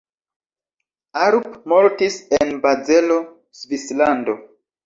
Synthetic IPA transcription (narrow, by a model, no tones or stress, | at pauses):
aɾpmoɾtisenbazelo̞ | svislando̞